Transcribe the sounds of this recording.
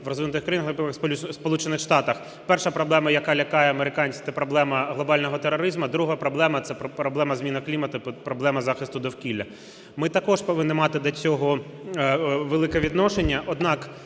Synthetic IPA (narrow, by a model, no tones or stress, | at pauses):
ʋɾɔzʋinʊt̪ɪxkɾɐjinɐxnɐpɪmɐxspʲuspɔlˠut͡ʃenɪxʃt̪ɑt̪ɐx | pɛrʃɐpɾɔblˠɛmɐjɐkɑlʲɐkɑjɛɐmeɾɪkɑnʲsʲt̪ɛpɾɔblˠɛmɐɦlˠɔbɑlʲnɔɦɔt̪eɾɔɾɪzmɐd̪ɾuɦɐpɾɔblˠɛmɐt̪sɛppɾɔblˠɛmɐzmʲinɐklʲimɐt̪ʊpɾɔblˠɛmɐzɑxɪst̪ʊd̪ɔwkʲilʲːɐ | mɪt̪ɐkɔʃpɔʋɪnːɪmɑt̪ɪd̪lʲɐt͡sʲɔɦɔ | ʋelˠɪkɛʋʲid̪nɔʃenʲːɐʔɔd̪nɑk